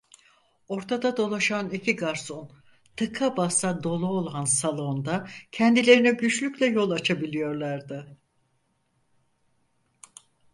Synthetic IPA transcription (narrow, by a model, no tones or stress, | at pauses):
o̞ɾt̪ʰad̪ad̪o̞lˠaʃanicʰiɡaɾso̞n | t̪ʰɯkʰabasad̪o̞lˠuolˠansalˠo̞nd̪acʰɛnd̪ilʲe̞ɾinɛɟyt͡ʃlʲycʲlʲɛjo̞lˠat͡ʃʰabilʲijo̞ɾlˠaɾd̪ɪ